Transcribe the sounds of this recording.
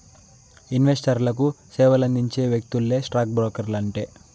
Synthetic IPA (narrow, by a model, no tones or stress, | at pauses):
inʋesʈɐɾlɐk̬u | sɛːʋɐlɐnd̪iɲt͡ʃe̞ːʋjek̚t̪ulːe̞ːsʈɾaːk̚bɾoːkɐɾlɐɳʈeː